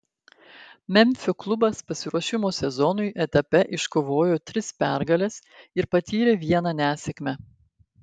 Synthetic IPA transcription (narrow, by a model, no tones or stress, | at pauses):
mʲɛmʲfʲʊklˠʊbɐspɐsʲɪɾuɔʃʲɪmoːsʲɛzɔnʊɪʔɛt̪ɐpʲɛʔɪʃkoːʋoːjoːt̪ʲɾʲɪspʲæˑɾɡɐlʲɛsɪɾpɐt̪ʲiːɾʲeːʋʲiɛnɐnʲæːsʲɛkmʲɛ